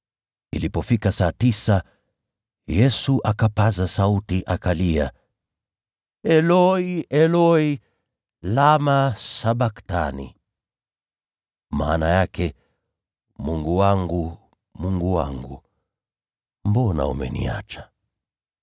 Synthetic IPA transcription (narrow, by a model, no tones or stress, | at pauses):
ḭlipɔfikasaːtisa | jɛsuʔakapazasautiʔakalia | ɛlɔiʔɛlɔi | lamasaɓaktanḭ | ma̰ːnajakʰɛ | muŋɡuwaŋɡu | muŋɡuwa̰ŋɡu | mbɔna̰ṵmɛ̰nḭa̰t͡ʃḁ